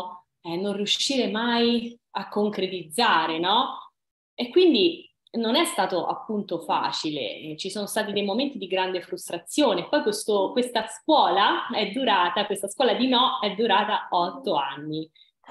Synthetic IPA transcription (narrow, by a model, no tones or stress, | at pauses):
ɛnːonrijuʃːiːɾemajakːoŋkɾet̪id̪zːaːɾenɔ | ekːwind̪i | nonɛst̪aːt̪oʔa̰pːunt̪ofa̰ːt͡ʃilḛt͡ʃisoːnost̪aːt̪̬id̪ejmoment̪id̪iɡɾand̪efɾust̪ɾat̪sjoːneːpːɔjkwest̪okwest̪askwɔːlaɛd̪ːuɾaːt̪akwest̪askwɔːlad̪inɔɛd̪ːuɾaːt̪aɔt̪ːoanːi